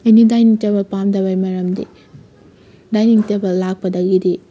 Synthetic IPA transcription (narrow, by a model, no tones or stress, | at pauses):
ɐjnidajniŋtebɐlpamdɐβajmɐɾɐmdḭ | dajniŋtebɐllak̚pɐdɐɡidi